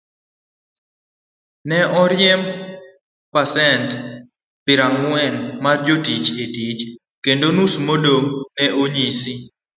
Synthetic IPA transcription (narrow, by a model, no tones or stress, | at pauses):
nɛʔɔɾjɛm | pasɛnt | pɪɾaŋwɛnmard͡ʒotit͡ʃetit͡ʃ | kendonusmodoŋnɛʔoɲisɪ